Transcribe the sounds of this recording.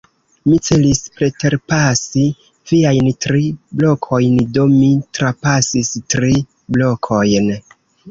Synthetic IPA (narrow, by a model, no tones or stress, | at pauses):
mit͡se̞lispɾe̞te̞ɾpasi | viajntɾiblo̞kʰo̞jndo̞mitɾapasistɾi | blo̞kʰo̞jn